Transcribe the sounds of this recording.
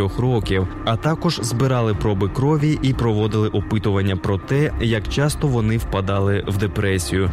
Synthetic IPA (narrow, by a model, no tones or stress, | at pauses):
ɔxrɔkʲiwɐt̪ɑkɔʒzbɪɾɑlˠɪpɾɔbɪkɾɔʋʲiʔipɾɔʋɔd̪ɪlˠɪʔɔpɪt̪ʊʋɐnʲːɐpɾɔt̪ɛjɐkt͡ʃɑst̪ɔʋɔnɪwpɐd̪ɑlˠɪwd̪epɾɛsʲijʊ